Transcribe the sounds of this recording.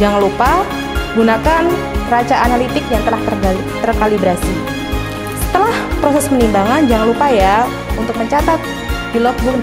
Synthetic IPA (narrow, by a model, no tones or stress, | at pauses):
d͡ʒaŋanlupa | ɡunakan | ərat͡ʃaanalit̪ɪkjaŋt̪əlah | t̪ərkalibɾasi | sə̥t̪əlahpɾosɛsmənimbaŋand͡ʒaŋanlupaja | unt̪ʊk̚məɲt͡ʃat̪at̪̚ | dilɔk̚buk